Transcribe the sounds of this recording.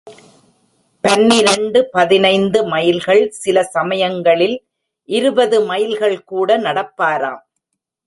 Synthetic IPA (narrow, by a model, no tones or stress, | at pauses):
pɐnːɪɾɐɳɖɯpɐðɪnɐɪnd̪ɯmɐjɪlɣɐɭsɪlɐsɐmɐjɐŋɡɐɭɪl | ʔɪɾɯbɐðɯmɐjɪlɣɐɭkuːɽɐnɐɽɐpːaːɾaːm